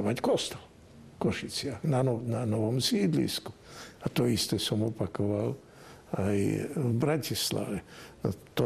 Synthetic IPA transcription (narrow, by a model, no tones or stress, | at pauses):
ʋackɔst̪ɛl | kɔʃit͡sɪaxnananɔʋɔmsiːd̪lḭsku̥ | at̪ɔist̪ɛsɔmɔpakɔʋal | ajvbɾacisla̰ʋɛt̪ɔ